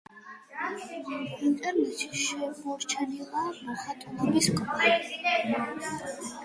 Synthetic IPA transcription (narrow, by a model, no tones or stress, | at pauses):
int̪ʼɛɾnɛʃiʃɛmɔɾt͡ʃʰanilamɔχat̪ʼɔnɔbiskʼɔɾɛ